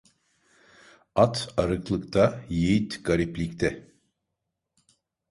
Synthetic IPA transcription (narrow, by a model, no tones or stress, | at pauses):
at̪aɾɯklˠɯkt̪ʰajejit̪ɡ̥aɾiplʲict̪ʰɛ